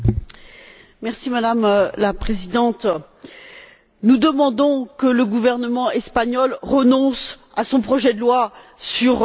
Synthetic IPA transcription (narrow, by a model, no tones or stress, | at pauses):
mɛʁsimad̪amlapχezid̪ɑ̃t̪ | nud̪əmɑ̃d̪ɔ̃kələɡuvɛʁnəmɑ̃ɛspaɲɔlʁənɔ̃s | asɔ̃pχɔʒɛd̪əlwasyʁ